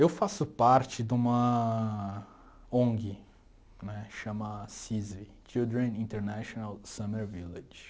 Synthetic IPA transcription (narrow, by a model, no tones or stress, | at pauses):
ewfasʊpaɾt͡ʃɪd̪ũmɐ | õŋɡɪ | nɛʃɐ̃mɐsizvit͡ʃild̪ɾẽnĩnt̪eɾnaʃonalsɐ̃meɾviled͡ʒ